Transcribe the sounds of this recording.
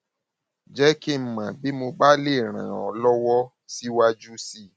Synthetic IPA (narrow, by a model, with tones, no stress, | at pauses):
d͡ʒɛ˦ki˦˨m̩˨mã˨bi˨˦mo˧ba˦le˦˨ɾ̃ã̰˨ɔ˨lɔ˦wɔ˦ | si˦wa˧d͡ʒu˦si˦˨